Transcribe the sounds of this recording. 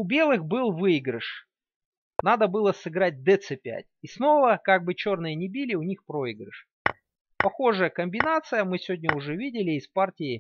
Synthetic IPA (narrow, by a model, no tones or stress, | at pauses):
ʊbʲe̞lˠɨxbɨlˠvɨɪɡɾəʂ | nad̪əbɨlˠəsɨɡɾat̚ʲd̪ɛt̪sɨpʲæ̰t̚ʲisno̞vəkaɡ̚bɨt͡ɕo̞rnɨjənʲɪbʲilʲɪʊnʲixpɾo̞ɪɡɾəʂ | pɐxo̞ʐəjəkəmʲbʲɪnat̪sɨjəmɨsʲɪvʲodʲnʲəʊʐɛvʲidʲɪlʲɪːspartʲɪɪ